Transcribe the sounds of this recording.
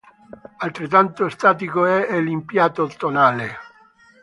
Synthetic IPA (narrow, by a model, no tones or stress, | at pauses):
alt̪ɾet̪ːant̪oest̪aːt̪̬ikoɛelimpjaːt̪ot̪ːonaːle